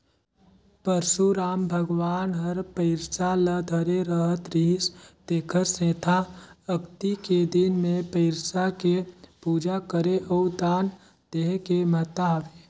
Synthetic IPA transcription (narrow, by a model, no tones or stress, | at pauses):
pəɾsuɾaːmbʱəɡwaːnɦəɾpəɪɾsaləd̪ʱəɾeɾəɦət̪ɾiːst̪eːkʰəɾsẽːt̪ʰaəkt̪iked̪ɪnmẽpəɪɾsakepuːd͡ʒakəɾeʔɔːd̪aːn | d̪̥eːɦkemət̪aɦʋe